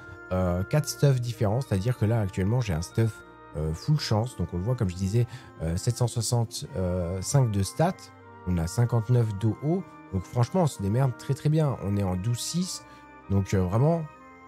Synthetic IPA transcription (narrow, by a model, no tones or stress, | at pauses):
økat̪χst̪ɔfd̪ifeʁɑ̃se̥t̪ad̪iʁkəlaːk̚t̪ɥɛlmɑ̃ʒeɛ̰̃st̪ɔf | øfulʃɑ̃sd̪ɔ̃kɔ̃ləvwakɔmʒəd̪izɛ | øsɛt̪sɑ̃swasɑ̃t̪øsɛ̃k̚d̪əst̪at̪ | ɔ̃nasɛ̃kɑ̃t̪nœfd̪oʔo | d̪ɔ̃kfχɑ̃ʃmɑ̃ɔ̃səd̪emɛʁd̪t̪χɛt̪χɛbjɛ̃ɔ̰̃nɛɑ̃d̪uzsis | d̪ɔ̃køvʁɛmɑ̃